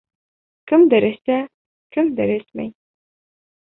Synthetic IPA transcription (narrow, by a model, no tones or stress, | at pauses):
kɘmd̪ɘɾɘ̆sæ | kɘmd̪ɘɾɘsmæ̰j